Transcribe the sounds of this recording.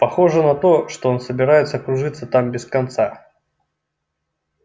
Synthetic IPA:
pɐxo̞ʐɨnɐt̪o̞ʂt̪oo̞nsəbʲɪɾajɪt̪səɐkɾʊʐɨt̪sːət̪ambʲɪskɐnt̪sa

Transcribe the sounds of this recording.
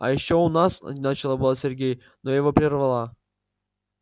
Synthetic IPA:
a̰jɪɕːounasnat͡ɕɪlˠabɨlˠasʲerʲɡʲej | nojɪvopɾʲɪrvalˠa

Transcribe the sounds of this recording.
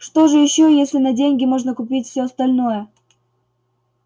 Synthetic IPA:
ʂt̪oʐɨjɪɕːojesʲlʲɪnɐdʲenʲɡʲɪmoʐnəkʊpʲitʲfsʲoɐst̪ɐlʲnojə

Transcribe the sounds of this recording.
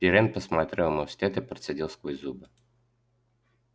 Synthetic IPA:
pʲiɾɛnpəsmat̪ɾʲɛlˠmosʲt̪ʲɛt̪ɨpɾʲət̪sadʲilˠskvɔjzubɨ

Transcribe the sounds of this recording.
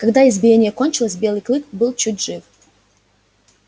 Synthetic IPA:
kɐɡd̪aɪzbʲɪjenʲɪjəkonʲt͡ɕɪlˠəsʲbʲe̞lˠɨjklˠɨkbɨlˠt͡ɕut̚ʲʐɨf

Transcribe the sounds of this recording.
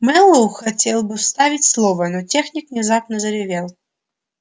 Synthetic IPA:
mɛlˠouxɐtʲelˠbɨfst̪avʲɪtʲslˠɔvənɔtʲexnʲɪkvnʲɪzapnəzəɾʲɪvʲelˠ

